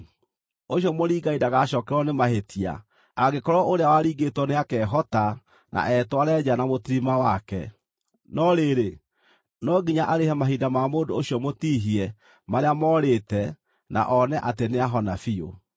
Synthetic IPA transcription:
oɕjɔmoɾiːɡaidaɣaɕɔːkɛɾwɔnemahetia̰ː | ɡekɔɾɔoɾeawaɾiːɡetwɔneakɛːɦɔta | nʔa̰ʔɛtwaɾɛd͡ʑanamotiɾimawakɛ̰ | nɔɾeɾe | nɔɡiɲaʔaɾehɛmaɦiːdamamoːndooɕijɔmotiːɦiɛ | maɾeamɔːɾetɛ | na̰ʔɔnɛʔateneaɦɔnafio̰

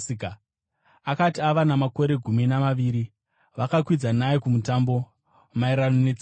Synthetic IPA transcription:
ika | akatiaʋanamako̞ɾe̞ɡʱuminamaʋiːɾi | ʋakakwid͡zanaekumutaːmbo̞ | maiɾanonet͡s

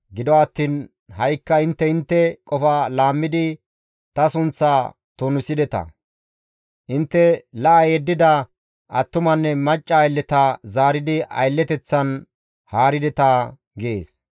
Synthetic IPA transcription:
ɡɪd̪ɔwɐt̪ːiːn | hɐjkːɐɪnt̪ːɛɪnt̪ːɛkʼɔfalaːmːɪd̪ɪ | t̪ɐsʊnt͡sːaː | t̪onʊsɪd̪ɛt̪ɐ̰ | ʔɪnt̪ːɛlɐʔɐjeːd̪ːɪd̪ɐ | ʔɐt̪ːʊmɐnːɛmɐt͡ʃʼːɐːjlːɛt̪azaːɾɪd̪ɪʔɐ̰jlːɛt̪ɛt͡sːɐn | haːɾɪd̪ɛt̪ɐ | ɡeːs

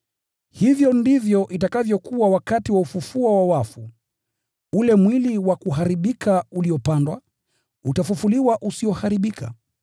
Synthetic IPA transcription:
hivjɔndivjɔʔitakavjɔkuawakatiwaufufuɔwawafu | ulɛmwiliwakuɦaɾiɓikʰauliɔpandwa | utafufuliwaʔusiɔhaɾiɓikʰa̰

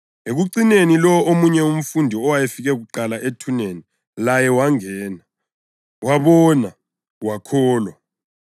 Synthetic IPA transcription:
eɣuǀinenilɔomuɲɛum̩fundʱiɔwajefiɣɛɣuǃalaʔetʰuneni | lajɛwaŋɛːna | waβɔna | wakʰɔːlwa

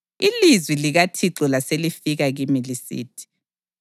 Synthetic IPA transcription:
ilizwiliɣatʰiǁɔlaselifiɣaɣimilisḭːtʰi̥

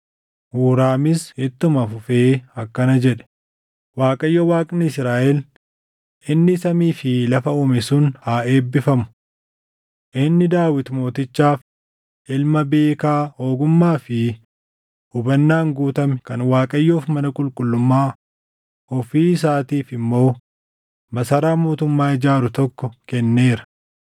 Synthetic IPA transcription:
huːɾaːmɪshɪt̪ːʊmɐfʊfeːɐkːɐnɐd͡ʒɛᶑɛ̥ | waːkʼɐjːɔwaːkʼnɪɪsɾaːʔɛl | ʔɪnːɪsɐmiːfɪlɐfɐʊːmɛsʊnhaːe̞ːbːɪfɐmʊ̥ | ʔɪnːɪd̪aːwɪt̪mo̞ːt̪ɪt͡ʃːaːf | ʔɪlmɐbe̞ːkaːho̞ːɡʊmːaːfɪ | ʊbɐnːaːŋɡuːt̪ɐmkɐnwaːkʼɐjːoːfmɐnɐkʼʊlkʼʊlːʊmːaː | ɔfiːs̬aːt̪iːfɪmːo̞ː | mɐsɐɾaːmoːt̪ʊmːaːɪd͡ʒaːɾʊt̪ɔkːɔkɛnːe̞ːɾɐ̥

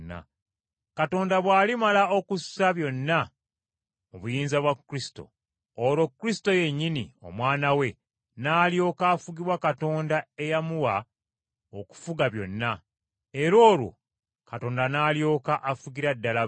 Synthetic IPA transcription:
nːa̰ | kato̞ːndaβwaːlimalaokusaβjo̞nːa | muβujiːnzaβwakːɾisto̞̰ː | ɾo̞kːɾisto̞je̞ɲːinio̞̰mwaːnawe̞ | naːljo̞ːkaːfuɡiβwakato̞ːndae̞jamuwa | oku̥fuɡaβjo̞̰nːa | eɾo̞ːlwo̞̰ | kato̞ːndanaːljo̞ːkaʔafuɡiɾadːala

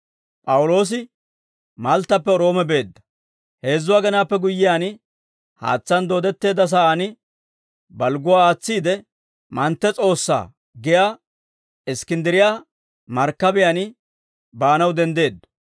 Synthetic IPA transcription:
pʼɐwʊlo̞ːs̬ɪ | mɐlt̪ːɐpːɛɔɾo̞ːmɛbe̞ːd̪ːɐ̥ | he̞ːzːʊwaːɡɐnaːpːɛɡʊjːɪjaːnɪ | ha̰ːt͡sːɐnd̪o̞ːd̪ɛt̪ːe̞ːd̪ɐs̬aːʔɐnɪ | bɐlɡʊwaːaːt͡sːiːd̪ɛ | mɐnt̪ːɛt͡sʼo̞ːsːa̰ː | ɡɪjaː | ɪskɪnd̪ɪɾɪjaː | mɐɾkːɐbɪjanɪ | baːnɐwd̪ɛnd̪e̞ːd̪ːɐ̥

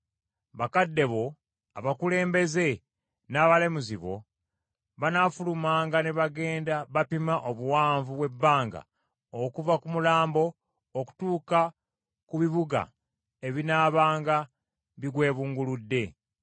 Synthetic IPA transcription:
βakadːe̞βo̞ | aβakule̞ːmbe̞ze̞ | naːβalemuziβo̞̰ | βanafulumaːŋɡaneβaɡe̞ːndaβapimaʔoβuwaːɱvuβwe̞bːaːŋɡa̰ | okuvakumulaːmbo̞ː | ku̥tuːka | kuβiβuɡa̰ | eβinaːβaːŋɡa | βiɡwe̞ːβuːŋɡuludːe̞

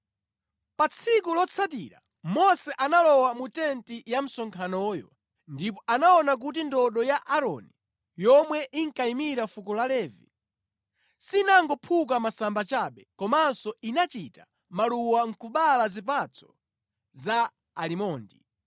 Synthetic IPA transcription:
pat͡sʰikulɔt͡sʰatḭɾa | mɔsɛʔanalɔwamutɛntijam̩sɔŋkʰanɔjɔ̰ | ndip̬ɔʔanaɔnak̬ut̬indɔɗɔjaʔaɾɔ̰ni | jɔmwɛʔiŋkaimiɾafukɔlalɛːvḭ | sinaŋɡɔpʰuk̬amasambat͡ʃaɓɛkɔmansɔinat͡ʃita | maluwaŋ̩kuɓalazip̬at͡sʰɔ̥ | zaː | limɔːndi

